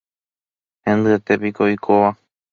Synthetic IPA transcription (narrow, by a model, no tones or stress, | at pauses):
hẽ̞nd̪ɨet̪e̞pikoikʰoʋa